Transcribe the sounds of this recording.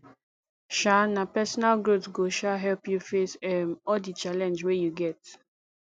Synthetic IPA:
ʃanapɛsɔnalɡɹotsɡoʃaɦɛlpjufesɛmɔldit͡ʃalɛ̃nd͡ʒwejuɡɛt

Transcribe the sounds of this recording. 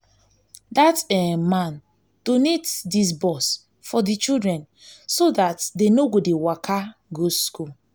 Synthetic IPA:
datɛmãn | d̥onetdis̬bɔs | fɔdit͡ʃildɹɛ̃n | sodatdenoɡodewakʰaɡoskul

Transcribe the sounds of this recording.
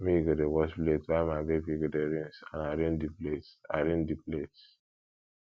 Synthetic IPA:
miɡedewɔspletwaɪmabebiɡedeɾĩnsã̰naɾendipleta̰ɾẽndiplet

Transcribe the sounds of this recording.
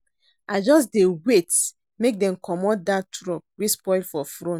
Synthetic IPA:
aɪd͡ʒɔs̬dewet | mek̚dɛ̃mkʰɔmɔdatɾɔp̚wispɔɪlfɔfɾõn

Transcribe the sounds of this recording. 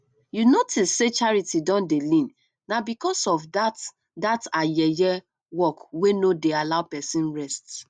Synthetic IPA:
junotistset͡ʃaɹitidɔ̃ndelĩn | nabikɔsɔfdat | datajɛjɛ | wɔkwenodealaʊpɛsĩnɹɛst

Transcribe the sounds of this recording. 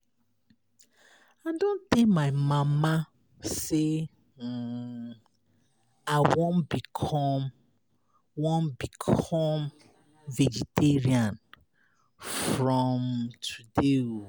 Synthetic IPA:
adõntemaɪmama | se | aɪwõnbikʰɔm | wõnbikʰɔm | vɛd͡ʒiteɹiãn | fɹɔmtʰudeu

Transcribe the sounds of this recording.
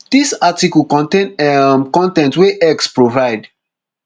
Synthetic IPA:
d̥isatikɔlkɔ̃ntenkɔ̃ntɛ̃ntweʔɛkspɹovaɪd

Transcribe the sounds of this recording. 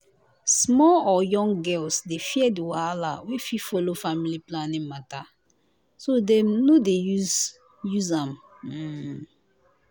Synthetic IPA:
smɔlɔjɔ̃ŋɡɛlsdefiɛdiwala̰wififolofamiliplanĩmata | sodɛ̃mnodeju | juzãm̩

